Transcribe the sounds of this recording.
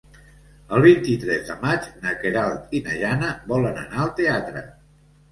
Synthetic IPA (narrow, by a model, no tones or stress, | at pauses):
əlˠβint̪it̪ɾɛzðəmad͡ʒnəkeɾalˠt̪inəʒanəβɔlənə̰naəlˠt̪eat̪ɾə̰